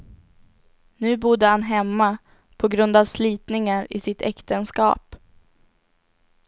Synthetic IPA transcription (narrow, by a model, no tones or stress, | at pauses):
nʉ̟ːbʊd̪əhanɦɛmːa | pʰɔɡɾɵnd̪avsliːt̪nɪŋaɾɪ̰sɪt̪ʰɛkt̪ənskɑ̰ːp